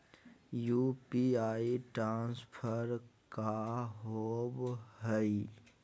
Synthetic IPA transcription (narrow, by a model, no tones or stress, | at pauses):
juːpiaːiʈɾãːnspʰəɾkaɦoːbɦəi